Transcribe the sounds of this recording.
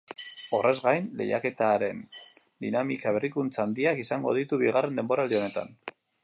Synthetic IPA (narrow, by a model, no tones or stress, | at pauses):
o̞re̞zɣajnle̞̰ja̰ke̞t̪aɾe̞n | d̪inamikaβe̞rikunt͡sand̪iakisaŋɡo̞̰ð̞it̪uβiɣare̞nd̪e̞mbo̞ɾald̪io̞ne̞t̪a̰n